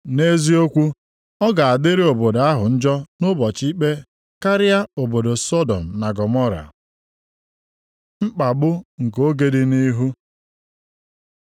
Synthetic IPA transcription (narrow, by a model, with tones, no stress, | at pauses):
ne˦zi˦o˦kʷu˦ | ɔ˦ɡa˨a˨dɪ˦ɾe˦o˨bo˨da˦ɦʊ˨n̩˦d͡ʒɔ˦nʊ˦bɔ˨t͡ʃi˦k͡pe˦ | ka˦ɾɪ˦a˦o˨bo˨do˨sɔ˦dɔ˨m̩˨na˨ɡɔ˨mɔ˦ɾa̰˨ | ŋ͡m̩˦k͡pa˨bʊ˦ŋ̩˨k̬o˦ɡe˦dɪ˦ni˦ɦu˦